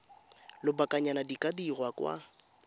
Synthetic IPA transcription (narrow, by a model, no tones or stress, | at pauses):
lɪbakʼaɲanadikʼadirwakwa̰